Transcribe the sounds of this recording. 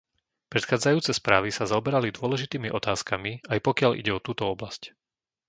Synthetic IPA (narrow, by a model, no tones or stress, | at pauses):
pɾɛt̪xaːd͡zajuːt͡sɛspɾaːʋisazaɔbɛɾalid̪ʊɔlɛʒit̪iːmiʔɔt̪aːskamiajpɔkɪalʔḭɟɛɔt̪uːt̪ɔɔblasc